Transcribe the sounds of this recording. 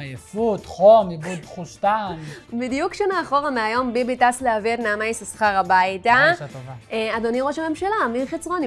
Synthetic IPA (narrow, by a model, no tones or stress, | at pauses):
ajefutχomibuddχuʃt̪anbidijukʃonaːχo̞ʁameajo̞mbibitasleavednaːmajsasχaʁabajtat̪vad̪oniʁoʃame̞mʃalamiχet͡sʁon